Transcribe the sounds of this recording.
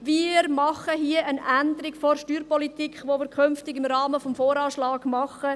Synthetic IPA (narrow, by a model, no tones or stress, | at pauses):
ʋiɾmɑχəɦiəʔənænd̪əɾɪkfoɾʃtyːɾpɔlit̪iːkχʋoʋiːɾkʰʏnftɪɡɪmɾɑːməfɔmfoːɾɑːʃlɑːɡ̥mɑχə